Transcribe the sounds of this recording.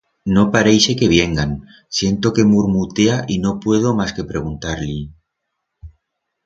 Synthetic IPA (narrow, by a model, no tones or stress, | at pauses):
no̞paɾejse̞ke̞β̞je̞ŋɡan | sje̞nt̪o̞ke̞muɾmut̪eaʔino̞pwe̞ð̞omaske̞pɾe̞ɣ̞unt̪aɾli